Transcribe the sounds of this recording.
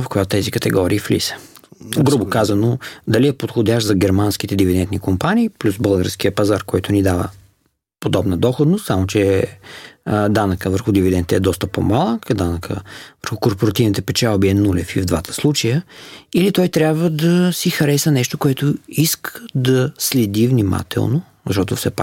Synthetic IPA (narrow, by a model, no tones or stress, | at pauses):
ɐfkojat̪ʊt̪ɛzikət̪ɛɡɔɾiːflḭsə̥ɡɾubʊkazɐnod̪ɐliɛpot̪xodʲaʃzɐɡɛɾmansk̟it̪ɛd̪ivid̪ɛnt̪nikompaniːplʲusbəlˠɡəɾsk̟iəpɐzaɾkɔjt̪ʊnid̪avə̰ | pod̪ɔbnəd̪ɔxod̪nost̪samot͡ʃɛ | d̪anəkəvəɾxʊd̪ivid̪ɛnt̪ɛɛd̪ɔst̪əpo̰malˠəkd̪anəkʰə̰vəɾxʊkoɾpoɾɐt̪ivnit̪ɛpɛt͡ʃalˠbiɛnulʲɛfivd̪vat̪ʰə̥slˠut͡ʃəjəilit̪ɔjt̪ɾʲabvəd̪ɐsixɐɾɛsɐnɛʃt̪okoɛt̪ʊiskʰə̥d̪ɐslɛd̪ivnima̰t̪ʰɛ̰lˠno | zɐʃt̪ɔt̪ʊfsɛpa